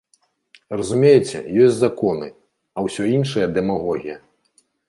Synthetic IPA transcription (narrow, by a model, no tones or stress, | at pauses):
rɐzumʲejɛt͡sʲɛ̰jɔsʲzakɔnɨ | ɐwsʲɔinʂɐjɐd̪ɛmaɣɔɣʲijɐ